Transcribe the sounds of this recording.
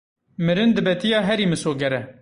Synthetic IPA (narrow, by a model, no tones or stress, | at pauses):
mɨɾɨnd̪ɨbɛt̪ijɑːɦɛɾiːmɨsoːɡɛɾɛ